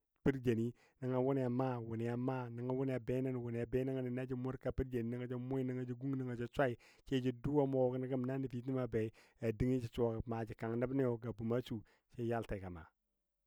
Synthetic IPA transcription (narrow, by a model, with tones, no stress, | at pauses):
pi˦ɾd͡ʒa˨ni˦ | na˨˦ŋa˨wu˦n˦ja˨ma˦wu˨ni˨ja˨ma˦na˨ŋa˨wu˦ne˦ja˨be˦na˦n˨wu˨ni˨ja˨be˦na˦ŋa˨ni˨na˦d͡ʒi˦mu˦ka˨pi˦ɾd͡ʒa˨ni˨na˦ŋa˦d͡ʒi˦mo˦i˦ni˦ŋa˦d͡ʒi˦ɡu˦ŋ˦ni˦ŋa˨d͡ʒa˦t͡ʃʷa˦i˨ | t͡ʃe˦d͡ʒi˦du˦a˦mo˦˨kna˦ɡə˦mna˦ni˨fi˨t̬i˦ma˨be˨˦ | a˨di˦ŋi˦d͡ʒi˨t͡ʃa˨kma˨d͡ʒi˨ka˨ŋ˨nə˦bne˦jo˨ɡa˨bu˨ma˦t͡ʃu˨ | t͡ʃe˦ja˦lta˨ka˨ma̰˨